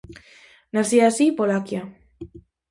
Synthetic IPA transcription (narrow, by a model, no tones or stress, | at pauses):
nasiasipolakia